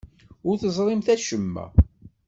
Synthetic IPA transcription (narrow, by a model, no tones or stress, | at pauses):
ʊɾθəzˤɾˤimθæʃəmːæ̰